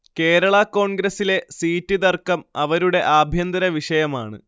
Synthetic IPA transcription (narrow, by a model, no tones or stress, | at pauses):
ke̞ːɾɐɭɐko̞ːɳɡɾɐsile̞siːtːiðɐrkɐmɐʋɐɾuɽe̞ʔaːbʱjɐnd̪ɐɾɐʋiʂɐjɐma̰ːɳɨ̰